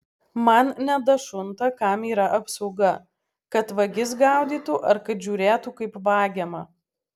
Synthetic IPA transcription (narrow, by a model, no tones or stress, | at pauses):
mɐnnʲɛd̪ɐʃʊnt̪ɐkɐmiːɾɐʔɐpsɐʊɡɐ | kɐt̪ʋɐɡʲɪs̬ɡɑˑʊd̪ʲiːt̪ʊʔɐɾkɐt̪ʒʲuːɾʲeːt̪ukɐɪpʋɑːɡʲɛmɐ